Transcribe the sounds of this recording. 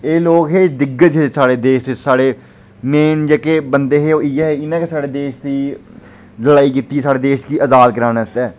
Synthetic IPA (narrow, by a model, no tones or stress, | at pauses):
eːloːkɦeːd̪ɪɡəd͡ʒɦeːsaːɽeːd̪eːʃt̪esaːɽeː | meːnd͡ʒeːkeːbənd̪eːɦeːoːiːɛːɦeːɪnãːkeːsaːɽeːd̪eːʃd̪iː | ləɽaːiːkiːt̪ːiːsaːɽeːd̪eːʃk̪iːʔəzaːlkəɾaːnɛːst̪ɛː